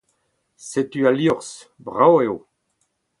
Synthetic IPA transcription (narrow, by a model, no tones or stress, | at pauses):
set̪yaljɔʁs | bʁaweo